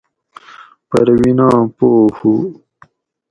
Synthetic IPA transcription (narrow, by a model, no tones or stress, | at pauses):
pɐɾwinɑ̃ːpohu